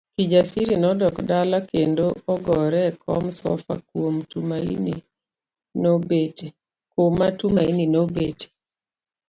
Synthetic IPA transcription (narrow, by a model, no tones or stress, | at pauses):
kid͡ʒasiɾinɔdɔkdalakendoɔɡɔɾɛkɔ̰msɔ̰fa̰kwomtumaḭni | nobet | komatumaininobete̥